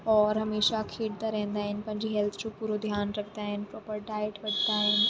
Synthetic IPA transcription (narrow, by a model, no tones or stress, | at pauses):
ɔːɾɦɐmeːʃakʰeːɽt̪aɾɛ̃ɦɪ̃nd̪aːɦɪnɪ̆pɐ̃ɦɪ̃ɲd͡ʑeɦɛlt̪ʰʊd͡ʑõpuːɾod̪ʱjaːnɾɐkʰnd̪aːɦɪnɪ̆pɾɔːpəɾɖaːəʈʋɐɖʱnaːɦɪnɪ̆